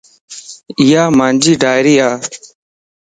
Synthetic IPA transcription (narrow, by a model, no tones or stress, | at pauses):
ɪjaːmaːnd͡ʒiːɖʱaːɪɾiːaː